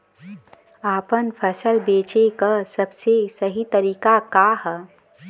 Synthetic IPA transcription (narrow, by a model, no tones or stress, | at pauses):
aːpənpʰəsəlbeːt͡ʃekasɐbsesɐɦit̪ɐɾiːkakaɦ